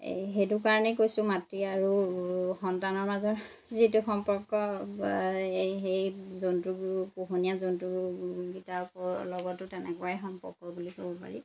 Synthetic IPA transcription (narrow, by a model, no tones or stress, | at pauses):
ɦetukaɹɔnɛkojsʊ̃matɹiaɹuxɔntanɔɹmazɔɹ | zituxɔmpɔɹkːɔ | ejzontɹuɡpoxonijazontɹuɡɡitapɔlɔɡɔtʊtɛnɛ̰kɔaɛxɔmpɔɹkɔbulihobɔpa̰ɹḭ